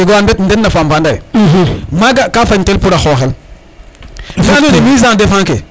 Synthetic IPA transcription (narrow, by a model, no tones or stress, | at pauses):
iɡoanbetn̩denːafambandai | maɡakafaɲtelpuɾaxoxel | faduemizãdefaŋke